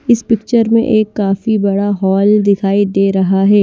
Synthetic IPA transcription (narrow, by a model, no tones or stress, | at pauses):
ɪspɪkt͡ʃəɾmḛ̃ʔeːkːaːfibɐɽaɦɔːld̪ɪkʰaːid̪eːɾɐɦaɦɛː